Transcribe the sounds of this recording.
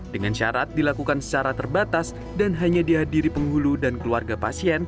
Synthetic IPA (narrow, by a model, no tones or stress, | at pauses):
dəŋanʃa̰ɾat̪̚dilakukansə̥t͡ʃaɾat̪ərbat̪as | danɦaɲadiɦadiɾipəŋɦuludankəluarɡapasiɛn